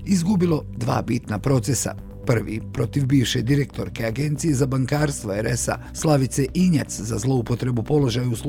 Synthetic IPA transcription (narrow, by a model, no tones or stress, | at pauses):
izɡubilˠo̞d̪ʋa̰ːbit̪napɾo̞t̪se̞sa̰ | pr̩ʋḭpɾo̞t̪iʋbiːʋʃe̞d̪iɾe̞k̚t̪ʰo̞ɾke̞aɡe̞nt̪sije̞zabaŋkaːɾst̪ʋoeɾesa̰ | slˠaʋit̪se̞ʔiɲat̪szazlˠo̞upo̞t̪ɾe̞bupo̞lo̞ʒajuus